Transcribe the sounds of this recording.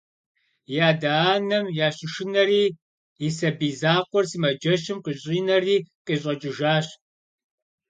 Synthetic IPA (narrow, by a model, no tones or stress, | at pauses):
jaːdaːnɐmjaːɕʼɪʃɪnɐɾiː | isɐbiːzaːqʷɔrsiːmɐd͡ʒɐɕɪmqiːɕʼiːnɐriːqiːɕʼɐt͡ʃʼɪʒaːɕ